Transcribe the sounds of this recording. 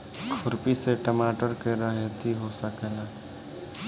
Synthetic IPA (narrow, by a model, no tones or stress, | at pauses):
kʰʊɾpiseʈəmaːʈəɾkeɾəɦet̪ʰiɦosəkela